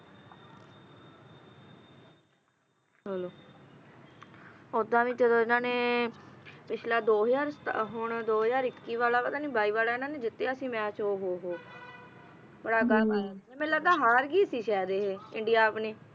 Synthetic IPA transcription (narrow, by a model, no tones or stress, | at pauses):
ɦəloː | ʊd̪ãːʋĩːd͡ʒəd̪õːɪnãːneː | pɪt͡ʃʰlaːd̪oːɦd͡ʒaːɾsɦʊɳd̪oːɦjaːɾɪkːiːʋaːlaːpəd̪aːnĩːbʱaːiːʋaːlaːɪnaːneːd͡ʒɪt̪ːeaːsĩːmɛ̃ːt͡ʃoːɦoːɦoː | bəɽaːɡəlaeːmɛ̃ːləɡd̪aːɦaːɾɡiːəsiːʃɛːd̪eːɦeːɪɳɖijaːpneː